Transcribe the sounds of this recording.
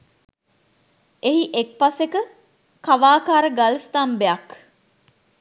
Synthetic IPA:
eɦiʔek̚pɐsekə | kɐʋaːkaːɾəɡɐlst̪aːmbeɐk

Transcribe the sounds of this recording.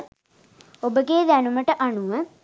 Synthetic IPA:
obəɡeːd̪ænuməʈəʔaɳuʋə

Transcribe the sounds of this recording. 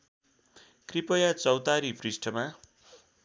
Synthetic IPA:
kripʌjat͡sʌwt̪aɾipʰrisʈʰʌma

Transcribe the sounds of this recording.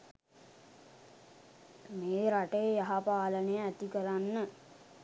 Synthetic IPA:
meːɾaʈəjəjaɦapaːlənəjəæt̪ikəɾanːə

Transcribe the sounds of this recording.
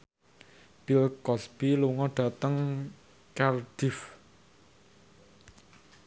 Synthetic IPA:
b̥ilkɔsb̥iluŋɔɖ̥a̤t̪əŋ | kard̪̥if

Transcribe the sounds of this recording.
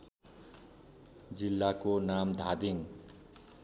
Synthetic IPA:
d͡zilːakonamd̪ʱad̪iŋ

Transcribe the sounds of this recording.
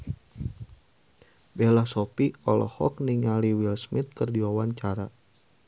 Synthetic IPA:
bɛlasɔpiɔlɔ̰hɔ̰k̚niŋaliwilsmit̪̚kɨrdiwawaɲt͡ʃaɾa

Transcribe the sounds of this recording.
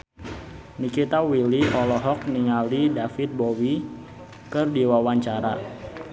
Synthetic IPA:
nikit̪awiliɔlɔɦɔk̚niŋalidafit̪̚bɔwi | kɨrdiwawaɲt͡ʃaɾa

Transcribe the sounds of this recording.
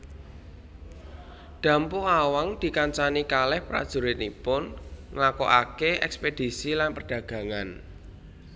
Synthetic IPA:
ɖ̪̥ä̤mpʊŋawaŋd̪̥i̤kaɲt͡ʃanikalɛhpɾa̰d̥ʒ̥ṳɾɪt̪̚nipʊnŋlako̰ʔa̰keʔɛ̰ksped̥i̤silanpərɖ̥ä̤ɡ̥ä̤ŋan

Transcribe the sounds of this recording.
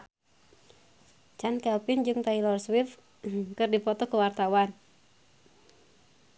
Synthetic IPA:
t͡ʃankɛlpɪnd͡ʒɨŋt̪ailɔrswif | kɨrdipɔt̪ɔkəwart̪awan

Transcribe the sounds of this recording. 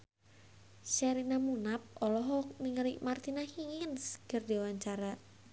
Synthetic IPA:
ʃɛɾinamunap̚ɔlɔɦɔk̚niŋəliʔmart̪inahiŋənskərdewaɲt͡ʃaɾa

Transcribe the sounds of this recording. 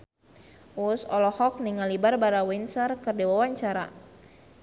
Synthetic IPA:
usɔlɔhɔk̚niŋalibarbaɾawinsərkərdiwawaɲt͡ʃaɾa̰

